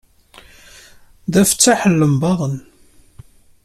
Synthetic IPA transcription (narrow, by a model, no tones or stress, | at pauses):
ðæfə̥t͡sːaħəlːəmbɑðˤən